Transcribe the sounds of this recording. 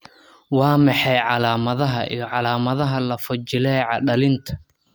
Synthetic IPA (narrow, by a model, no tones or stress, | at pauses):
wɑːmɑħɑjʕɑlaːmɐðɐɦɐʔijʕɑlaːmɐðɐɦɐlɐfʊt͡ʃɪlɛːʕɑɖɐlɪnt̪ʰɐ̥